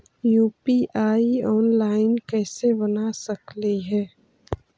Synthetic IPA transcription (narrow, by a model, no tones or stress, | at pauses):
juːpiʔaːiɔːnlaːɪnkɛːsebɐnasɐkliɦɛː